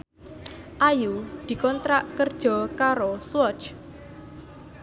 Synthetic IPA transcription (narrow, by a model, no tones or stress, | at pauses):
ʔajud̪̥i̤kɔnt̪ɾaʔkərd̥ʒ̥ɔ̤kaɾoswɔt͡ʃ